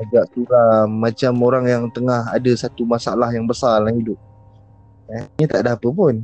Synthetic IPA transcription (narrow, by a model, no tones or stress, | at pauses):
aɡaʔsuɾamːat͡ʃamoɾaŋjaŋt̪əŋahadasat̪umasaalahjaŋbəsarlahidʊp̚ | ɛɲət̪aʔdaɦapəpʊn